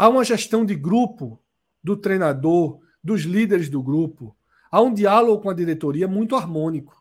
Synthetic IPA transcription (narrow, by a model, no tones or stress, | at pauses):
aũmɐʒɛʃt̪ɐ̃w̃d̪ɪɡɾupʊ | d̪ʊt̪ɾejnad̪oɾ | d̪ʊzlid̪eɾɪzd̪ʊɡɾupʊ | aũd̪ialoɡʊkõɐd̪iɾet̪oɾiɐmũj̃t̪ʊaɾmõnikʊ̥